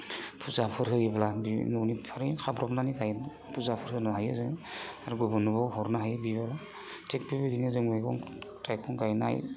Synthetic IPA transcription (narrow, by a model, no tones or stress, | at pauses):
pʰuzapʰɯɾɦɯibalabinɯnipʰaɾikʰabɾɔpnanikajn | pʰuzapʰɯɾhɯnaɦajɯzɯŋaɾuɡɔbɔnubɔhɔɾnaɦajbibala | tʰɛk̚bibedinezɯŋekɔŋtajkʰɔŋkajna̰j